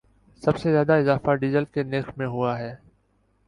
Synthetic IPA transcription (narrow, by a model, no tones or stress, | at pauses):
sɐbsezjaːd̪aɪzaːfaɖiːzəlkeneːxmẽɦʊaɦɛː